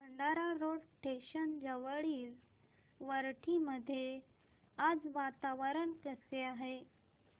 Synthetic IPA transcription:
bəɳɖaɾaɾoɽʈeɕənd͡zəʋəɭiːl | ʋəɾʈʰiməd̪ʱːje | ad͡zʋat̪aʋəɾənkəseaɦe

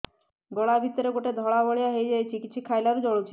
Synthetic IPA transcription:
bɔɭabʱit̪ɔɾeɡoʈed̪ʱɔɭabɔɭijaɦejd͡ʒajt͡ʃʰikit̪ːʃʰikʰːajlaɾud͡ʒɔɽut͡ʃʰi

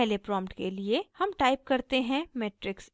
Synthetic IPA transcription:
ɦlepɾɔ̃ːmpʈkeliehɐmʈaːɪp̚kɐɾt̪eɦɛ̃meːʈɾɪks

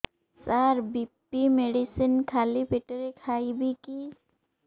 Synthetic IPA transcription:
saːɾbipːimeɖisənkʰaːlipʰiʈəɾekʰaːibʱiki

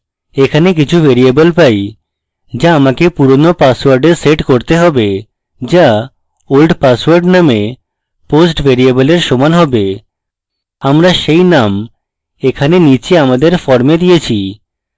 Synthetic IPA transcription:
ekʰanek̬it͡ɕʰubeɾiebolpaj | d͡ʑaamakepuɾonopaswaɾɖeɾseʈkoɾt̪eɦɔbe | d͡ʑa | olɖpaswaɾɖname | posʈbʱeɾieboleɾʃɔmanɦɔbe | amɾaʃejnam | ekʰanenit͡ɕeamad̪eɾfɔɾmed̪ijet͡ɕʰi

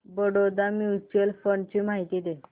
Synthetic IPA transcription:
bəɽod̪amiut͡ɕuəlfəɳt͡ɕimaɦit̪id̪e

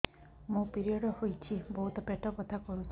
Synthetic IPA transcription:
mũpiɾiɔɽɔhojt͡ʃʰibɔɦut̪ɔpeʈɔkɔt̪ʰakɔɾut͡ʃʰ

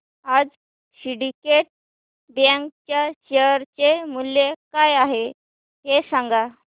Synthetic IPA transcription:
ad͡z | ɕiɽikeʈ̚ | d̪jãŋɡt͡ɕjaɕeəɾt͡ɕemulːekajaɦe | ɦesãŋɡa

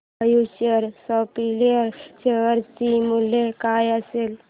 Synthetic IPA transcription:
əjuɕəɾsɔpiliəɾt͡ɕeʋəɾt̪imulekajəsel

